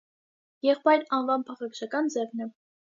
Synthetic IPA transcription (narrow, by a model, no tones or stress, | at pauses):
jɛχpɑjɾɑnvɑnpʰɑχɑkʃɑkɑnd͡zɛvnɛ